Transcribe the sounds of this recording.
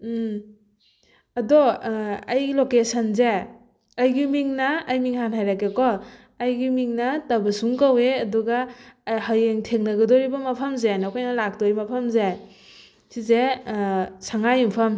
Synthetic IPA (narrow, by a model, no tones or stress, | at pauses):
ɐdɔajlokesanza | ajɡimiŋnɐːjmiŋhanɦajɾakekɔː | jɡimiŋnɐtabɯsuŋkaweɐduɡahajeŋtʰeŋnɐɡɐdɔɾibɐmɐpʰɐmzenakʰɔjnɐlak̚dɔɾimɐpʰɐmzaj | size | sʰaŋajumpʰɐm